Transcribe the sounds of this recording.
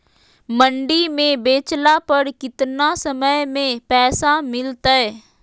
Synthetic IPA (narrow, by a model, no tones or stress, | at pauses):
mə̃ɳɖimẽbeːt͡ʃlapəɾkɪt̪nasəməjmẽpɛːsamɪlt̪aɦɛː